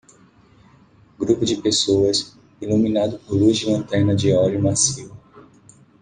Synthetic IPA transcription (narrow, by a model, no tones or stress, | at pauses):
ɡɾupʊd͡ʒɪpesoɐs | ilumĩnad̪ʊpoɾluizd͡ʒɪlɐ̃nt̪ɛɾnɐd͡ʒɪɔljʊmasiw